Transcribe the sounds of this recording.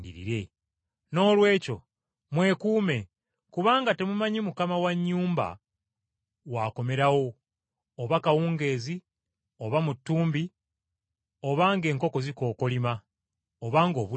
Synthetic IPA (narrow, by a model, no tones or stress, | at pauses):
dḭɾḭɾe̞ | no̞ːlwe̞ːco̞ | mwe̞kuːme̞ | kuβaːŋɡate̞mumaɲemukamawaɲːuːmba̰ | waːko̞me̞ɾawo̞ː | βakawuːŋɡe̞ːzi | o̞βamutːuːmbi | o̞βaːŋɡe̞ːŋko̞ko̞ziko̞ːko̞lima | oβaːŋɡo̞ːβu